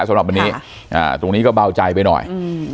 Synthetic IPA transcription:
sa˨˦mɾa˨˩p̚wa˧nːiː˦˥ | ʔa̰ː˨˩t̪o˧ŋniː˦˥kɔː˥˩baː˧wt͡ɕa˧jp̬a˧jnɔ̰˨˩j

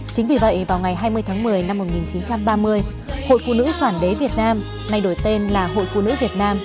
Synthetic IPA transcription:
t͡ɕï˨˦ŋ̟vi˨˩və̰˧˨jvaː˨˩wŋ͡mŋa˨˩jɦaː˧jmɨ˧əjt̪ʰaː˨˦ŋmɨ˨˩əjna˧mːo˨˩t̚ŋi˨˩nt͡ɕi˨˦nt͡ɕa˧mɓaː˧mɨ˧əj | ho̰˧˨jfṵ˧˨nɨ̰˧˥saː˧˩nɗe˨˦vi˨˩ət̚naː˧m | na˧jɗo˧˩jt̪e˧nlaː˨˩ɦo̰˧˨jfṵ˧˨nɨ̰˧˥vi˨˩ət̚naː˧m

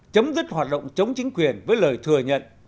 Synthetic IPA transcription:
t͡ɕə˨˦wmzi˦˥t̚hwaː˨˩t̚ɗə̰˧˨wŋ͡mt͡ɕə˨˦wŋ͡mt͡ɕï˨˦ŋ̟kwi˨˩ənvəː˨˦jləː˨˩jt̪ʰɨ˨˩əɲə̰˧˨n

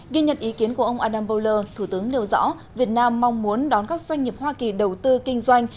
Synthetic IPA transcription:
ɣi˧ɲə̰˨˩nt̚ʔi˨˦ki˨˦ənku˧˩əʔə˧wŋ͡mʔaː˧ɗaː˧mbə˧wləː˧t̪ʰu˧˩t̪ɨ˨˦əŋli˧əwzɔ̰˧˥ | vi˨˩ət̚naː˧mːa˧wŋ͡mmu˨˦ənɗɔ˨˦nkaː˦˥k̚zwa˧jŋ̟ːi˨˩əp̚hwaː˧ki˨˩ɗə˨˩wt̪ɨ˧kï˧ŋ̟zwa˧jŋ̟

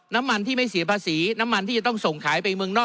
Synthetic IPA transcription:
na˦˥mːa˧nt̪ʰiː˥˩ma˥˩jsi˨˩˦əpʰaː˧siː˩˦na˦˥mːa˧nt̪ʰiː˥˩t͡ɕa˨˩t̪ɔ˥˩ŋso˨˩ŋkʰaː˩˦jpa˧jmɯ˧ŋnɔː˥˩

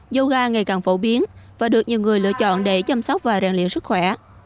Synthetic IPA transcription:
zo˧wɣaː˧ŋa˨˩jkaː˨˩ŋfo˧˩ɓi˨˦ənvaː˨˩ɗɨ˨˩ək̚ɲi˨˩əwŋɨ˨˩əjlɨ̰˧˥ət͡ɕɔ̰˧˨nɗe˧˩t͡ɕa˧msa˦˥wk͡p̚vaː˨˩ɾaː˨˩ŋlḭ˧˨ənsɨ˦˥k̚xwɛ˧˩

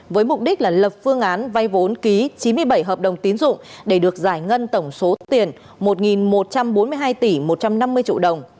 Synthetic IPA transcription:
vəː˨˦jmʊ˨˩k͡p̚ɗi˦˥k̟̚laː˨˩lə˨˩p̚fɨ˧əŋʔaː˨˦nva˧jvo˨˦nki˨˦t͡ɕi˨˦nmɨ˧əjɓə˧˩jɦəː˨˩p̚ɗə˨˩wŋ͡mt̪i˨˦nzʊ̰˧˨ŋ͡mɗe˧˩ɗɨ˨˩ək̚zaː˧˩jŋə˧nt̪ə˧˩wŋ͡mso˨˦t̪i˨˩ən | mo˨˩t̚ŋi˨˩nmo˨˩t̚t͡ɕa˧mɓo˨˦nmɨ˧əjɦaː˧jt̪i˧˩mo˨˩t̚t͡ɕa˧mna˧mːɨ˧əjt͡ɕḭ˧˨ɗə˨˩wŋ͡m

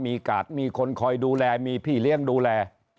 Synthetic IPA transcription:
miː˧kaː˨˩t̪̚miː˧kʰo˧nkʰɔː˧jduː˧lɛː˧miː˧pʰiː˥˩li˥˩əŋduː˧lɛː˧

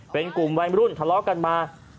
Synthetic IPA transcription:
pe˧nku˨˩mwa˧jmi˧˦uː˥˩nt̪ʰa˧˥lɔː˦˥ka˧nmaː˧

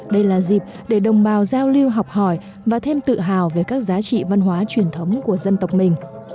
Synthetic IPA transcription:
ɗə˧jlaː˨˩zi˨˩p̚ | ɗe˧˩ɗə˨˩wŋ͡mɓaː˨˩wzaː˧wli˧əwɦa˨˩wk͡p̚hɔ˧˩j | vaː˨˩t̪ʰe˧mt̪ɨ̰˧˨ɦaː˨˩wve˨˩jkaː˦˥k̚zaː˨˦t͡ɕḭ˧˨va˧nɦwaː˨˦t͡ɕwi˧˩ənt̪ʰə˨˦wŋ͡mku˧˩əzə˧nt̪ə˨˩wk͡p̚mï˨˩ŋ̟

